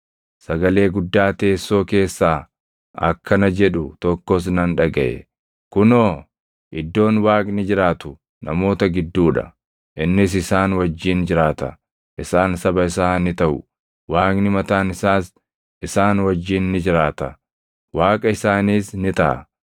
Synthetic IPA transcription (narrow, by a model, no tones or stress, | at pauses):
sɐɡɐle̞ːɡʊd̪ːaːt̪e̞ːsːo̞ːke̞ːsːaː | ɐ̰kːɐnɐd͡ʒɛᶑʊt̪ɔkːɔs̬nɐnᶑɐɡɐ̰ʔɛ̰ | kʊnoː | ʔɪd̪ːo̞ːnwaːkʼnɪd͡ʒɪɾaːt̪ʊ | nɐmo̞ːt̪ɐɡɪd̪ːuːᶑɐ̰ | ʔɪnːɪs̬ɪsaːnwɐd͡ʒːiːnd͡ʒɪɾaːt̪ɐ̰ | ʔɪsaːnsɐbɐɪsaːnɪt̪ɐʔʊ | waːkʼnɪmɐt̪aːnɪsaːs | ʔɪsaːnwɐd͡ʒːiːnːɪd͡ʒɪɾaːt̪ɐ | waːkʼɐɪsaːniːsnɪt̪ɐʔɐ̰